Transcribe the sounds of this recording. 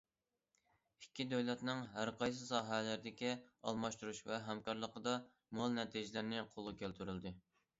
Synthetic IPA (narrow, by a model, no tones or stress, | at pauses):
ikʲːid̪øwlɛt̪nɪŋɦæɾqʰɑjs̬ɨsɑːɦɛlæɾɪd̪ɪkʲiɑ̰lˠmɑʃt̪uɾuʃvɛɦɛmkɑɾlˠəqəd̪ɑ | molˠnɛt̪ʰiʒɪlɪɾnɪqʰolˠɨkʲʰælt̪ʰyɾyld̪ɪ